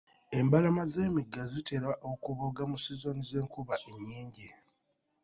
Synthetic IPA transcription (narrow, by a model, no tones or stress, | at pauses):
e̞mbalamazeːmiɡːazitʰe̞ɾaʔokuβoɡamusizo̞nize̞ːŋkuβaʔeɲːiːɲɟi